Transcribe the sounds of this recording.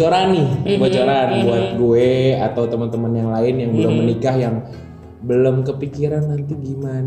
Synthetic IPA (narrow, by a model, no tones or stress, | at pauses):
oɾanɪbot͡ʃoɾanbuat̪̚ɡueat̪awt̪əmənt̪əmənjaŋlaɪnjaŋbəlomːənikahjaŋ | bəlomkəpikiɾanːant̪iɡiman